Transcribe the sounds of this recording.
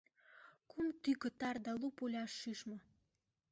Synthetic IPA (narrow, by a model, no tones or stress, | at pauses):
kumt̪ykə̆t̪ɑrd̪ɑlupulʲɑʃːyʃmɤ̆